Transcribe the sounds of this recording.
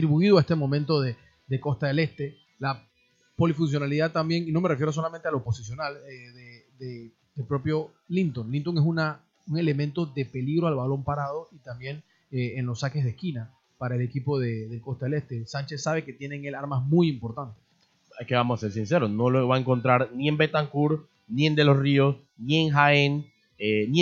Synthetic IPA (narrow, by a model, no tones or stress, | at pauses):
t̪ɾiβuiðwoae̞st̪emõ̞mẽnt̪o̞ðe | ðeko̞st̪aðe̞le̞st̪e̞ | la | po̞lifuns̬jo̞naliðat̪ːambje̞ŋino̞me̞refjeɾos̬o̞lamẽ̞nt̪e̞alopo̞sisjo̞naleðed̪e | d̪elpɾo̞pjo̞ | lint̪o̞ŋlint̪o̞ŋes̬una | uŋe̞le̞mẽnt̪o̞ðe̞pe̞liɣɾo̞alβalo̞mpaɾað̞o̞it̪ambje̞ŋ | eenlo̞sake̞zðehkina | paɾaele̞kipo̞ðeðe̞lko̞st̪aele̞st̪e̞sant͡ʃe̞ssːaβe̞ke̞t̪je̞neŋe̞laɾmasmujimpo̞ɾt̪ant̪e̥s | eske̞βamosase̞ɾs̬inseɾono̞loeβaeŋko̞nt̪ɾaɾnie̞mbe̞t̪aŋkuɾ | nie̞nd̪elo̞srios | nie̞ŋxaen | eːi